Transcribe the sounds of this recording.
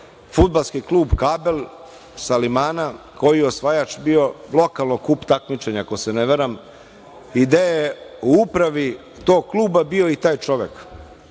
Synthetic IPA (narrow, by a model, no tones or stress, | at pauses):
fud̪̚balˠskiklˠuːbkaːbel | salimaːna | ko̞jijeosʋajat͡ʃbio̞lˠo̞kalˠnokuːpt̪akmit͡ʃeɲako̞seneʋeɾam | id̪ajeuupɾaʋi | t̪oːɡ̚klˠuːbabio̞it̪aːjt͡ʃo̞ʋek